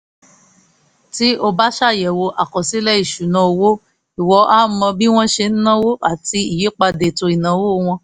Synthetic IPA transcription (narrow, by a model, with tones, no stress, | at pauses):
ti˨˦o˧ba˦ʃa˦˨jɛ˨wo˧ʔa˨kɔ˨si˨˦lɛ˦i˦˨ʃu˨nã˧o˧wo˦ | i˨wɔ˧ʔa˦mɔ̃˧bi˦w̃ɔ̃˦ʃe˧n̩˦nã˦wo˦ʔa˦˨ti˧i˨je˨˦k͡pa˧de˨to˧i˨nã˨˦wo˦˧w̃ɔ̃˧